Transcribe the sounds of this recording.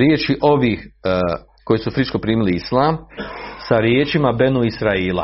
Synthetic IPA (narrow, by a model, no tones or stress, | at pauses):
ɾjeːt͡ʃiʔo̞ʋiːx | ko̞jesufɾit͡ʃko̞pɾiːmiliislˠaːmsaɾjeːt͡ʃimabe̞nuisɾaiːlˠa̰